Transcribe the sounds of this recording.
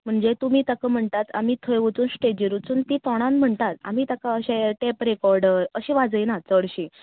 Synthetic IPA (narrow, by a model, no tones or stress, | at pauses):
m̤əɳd͡zet̪um̤iːt̪akəm̤əɳt̪at̪a̰m̤iːt̪ʰəjʋut͡suːnsʈed͡ʑiɾut͡suːnt̪it̪ɔɽ̃ãnm̤əɳt̪at̪a̰m̤iːt̪akaəɕeʈepɾekɔɾɖəɾəɕiʋad͡zəjnat͡səɽɕi